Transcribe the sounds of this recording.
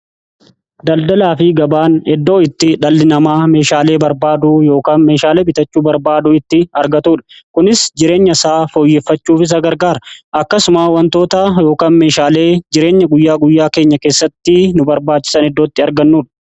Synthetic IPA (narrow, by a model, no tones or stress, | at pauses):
d̪ɐld̪ɐlaːfɪɡɐbaːnɛd̪ːo̞ːɪt̪ːɪᶑɐlːɪnɐmaːme̞ːʃaːle̞ːbɐɾbaːd̪ujo̞ːkaːnme̞ːʃaːle̞ːbɪt̪ɐt͡ʃːuːbɐɾbaːd̪ʊɪt̪ːɪɐɾɡɐt̪uːᶑɐ̥kʊnɪsd͡ʒɪɾe̞ːɲːɐsaːfoːjːefːɐt͡ʃːuːfɪs̬ɐɡɐɾɡaːɾɐkːɐsʊmaːwɐnt̪o̞ːt̪ɐjo̞ːkaːnme̞ːʃaːle̞ːd͡ʒɪɾe̞ːɲːɐɡʊjːaːɡʊjːaːke̞ːɲːɐke̞ːsːɐt̪ːɪnʊbɐɾbaːt͡ʃːɪ̥sɐnɛd̪ːo̞ːt̪ːɪɐɾɡɐnːuːᶑɐ̥